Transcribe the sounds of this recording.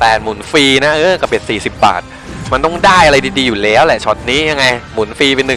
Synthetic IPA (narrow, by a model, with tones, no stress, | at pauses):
p̪ɛː˨˩t̪̚mu˩˦nfiː˧na˦˥ʔɤː˦˥˩ka˧˩bi˨˩ət̪̚siː˨˩si˨˩p̚ba̰ː˨˩t̪̚ | ma˧nt̪ɔ˥˩ŋdaː˥˩jʔa˧ɾa˧jdiː˧diː˧juː˨˩lɛː˨˦˥wlɛ˨˩ʔt͡ɕʰɔ˦˥t̪̚niː˦˥ja˧ŋːa˧jmu˩˦nfiː˧pe˧nːɯ˨˩ŋ